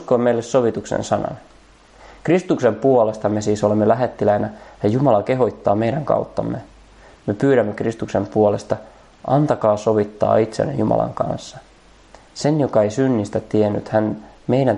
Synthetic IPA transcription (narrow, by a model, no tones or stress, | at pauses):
uskoːme̞jlːe̞sːo̞ʋit̪uksḛnsɑnɑ̰n | krist̪ukse̞mpuole̞st̪ɑme̞siːso̞lemːelæɦe̞t̪ːilæjnæjɑjumɑlɑke̞ɦojt̪ːɑːmejɾæŋkɑ̰ut̪ːɑ̰mːe | mepyːɾæmːekrist̪ukse̞mpuole̞st̪ɑ | ʔɑnt̪ɑkɑːso̞ʋit̪ːɑ̰ːit̪sḛnːḛjumɑ̰lɑ̰ŋkɑ̰nsːɑ | se̞njo̞kɑejsynːist̪æt̪ienːy̰t̪hænme̞jɾæn